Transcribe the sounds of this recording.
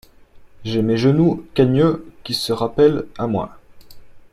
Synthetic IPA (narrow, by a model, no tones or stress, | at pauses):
ʒɛmeʒənukaɲøkʲisəʁapɛlamwɛ̰̃